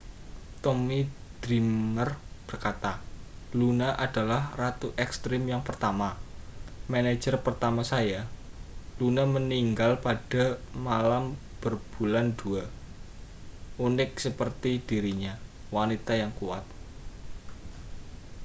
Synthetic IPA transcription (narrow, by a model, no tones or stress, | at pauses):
t̪omid̪̥ɾimərb̥ərkat̪alunaʔad̥a̤lahrat̪uʔɛkst̪ɾɪmjaŋpərt̪ama | mane̥d͡ʒərpərt̪amasaja | lunaməniŋɡalpad̥a̤malam | b̥ərb̥ulandua | unɪk̚səpərt̪id̥iɾiɲa | wanit̪ajaŋkua̰t̪̚